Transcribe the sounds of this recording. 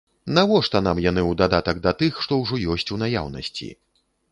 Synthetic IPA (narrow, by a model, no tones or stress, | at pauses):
navɔʂt̪ɐnamjan̪ɨwd̪ad̪at̪ɐɡ̚d̪ɐt̪ɨxʂt̪ɔwʐɔjɔsʲt͡sʲunaja̰wnɐ̰sʲt͡sʲḭ